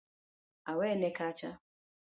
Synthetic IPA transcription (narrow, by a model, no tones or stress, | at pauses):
awenekat͡ʃa